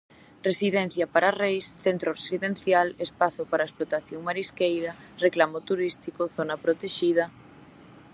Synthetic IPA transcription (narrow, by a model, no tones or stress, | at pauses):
resiðɛn̟θjɐpaɾarejsθent̪ɾorsiðen̟θjalespaθʊpaɾaesplot̪aθjoŋmaɾiskejɾɐreklamot̪uɾist̪ikoθonapɾot̪eʃið̞ɐ